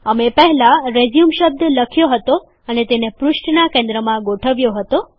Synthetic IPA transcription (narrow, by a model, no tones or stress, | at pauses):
əmepəɦɛlaɾed͡ʒjumʃəb̚d̪ʱləkʰjoɦət̪o | ənet̪enepɾuʃʈnakẽnd̪ɾəmãɡoʈʰəʋjoɦət̪o